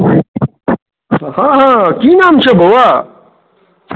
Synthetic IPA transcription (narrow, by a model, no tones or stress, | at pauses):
haɦãkinaːmt͡ɕʰɐbowa